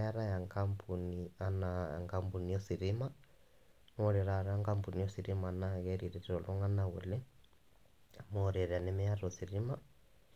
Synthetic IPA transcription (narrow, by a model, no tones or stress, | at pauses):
aɾajaŋkampʰunianaa̰ŋkampunijɔsiɾima | nɔɾɛɾaɾaŋkampunijɔsiɾimanaɣɛɾiɾiɾɔlɔŋanaɣṵlɛ | amɔɾɛɾanɛmɛaɾɔsiɾima